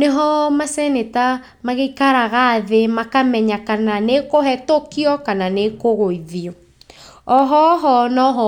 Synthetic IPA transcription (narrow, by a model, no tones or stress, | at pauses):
neɦɔmasɛneta | maɣeikaɾaɣaːðemakamɛɲakananekoɦɛtokiɔkananekoɣoiðiɔ | ɔɦɔɦɔnɔɦɔ